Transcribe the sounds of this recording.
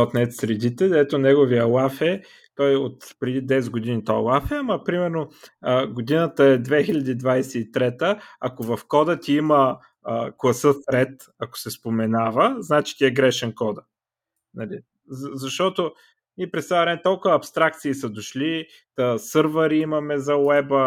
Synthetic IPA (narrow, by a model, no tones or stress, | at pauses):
ot̪nɛt̪sɾɛd̪it̪ɛd̪ɛt̪onɛɡoviəlˠafɛ | t̪ɔjot̪pɾɛd̪id̪ɛsɡod̪init̪ɔɛlˠafɛaməpɾimɛɾnoɡod̪inət̪əɛd̪vɛxilʲɐd̪iːd̪vajsɛit̪ɾɛt̪əɐkovɐfkɔd̪ət̪ʲiimə | klˠɐsəsɾɛt̪ | ɐko̥sɛspomɛnavəznat͡ʃi̥t̪ʲiɛɡɾɛʃɛnkɔd̪ə | nɐli | zzɐʃt̪ɔt̪o | miɛpɾɛst̪ajvɾɛmɛt̪ɔlˠkʊvɐːpst̪ɾak̚t̪siːsɐd̪oʃli | əsɤɾvəɾiimɐmɛzɐwɛbə